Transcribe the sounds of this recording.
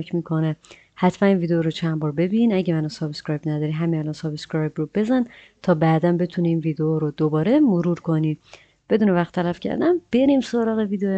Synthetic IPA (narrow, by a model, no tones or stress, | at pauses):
cʰmiːkʰo̞ne | hæt̪ʰmæninviːd̪eoɾot͡ʃʰænbɒːɾbe̞binæɟemænɒnsɒbeskɾɒːjbnæd̪ɒːɾiɦæminælɒnsɒbeskɾɒjbɾobe̞zæn | t̪ʰɒːbæd̪ænbe̞t̪ʰuniinvid̪eoɾod̪obɒːɾe̞moɾuːɾkʰo̞niː | b̥e̞d̪uːnevæχt̪ʰːælæfcʰæ̰ɾd̪æmb̥eɾimsoɾɒːɣe̞viːd̪eo